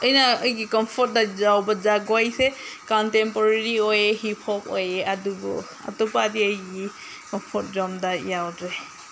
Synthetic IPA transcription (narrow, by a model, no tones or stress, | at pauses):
əjnaəjɡikɔmpʰɔɾt̚dazawbazaɡwajsekɔntempɔɾeɾiojehipʰɔpo̰jeʔadubɔ̰ | a̰tupadiəjɡi | kɔmpʰɔɾt̚zɔmdajawdɾe